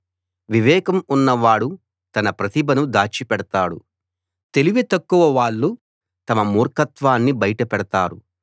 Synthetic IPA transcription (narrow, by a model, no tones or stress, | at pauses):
ʋiʋɛːkɐmunːɐʋaːɽu | t̪ɐnɐpɾɐt̪ibɐnud̪aːt͡ʃːipɛɽɐt̪aːɽṵ | t̪e̞liʋet̪ɐkːuʋɐʋaːɭːu | t̪ɐmɐmuːɾkɐt̪ʋaːnːibɐjʈɐpɛɽɐt̪aːɾṵ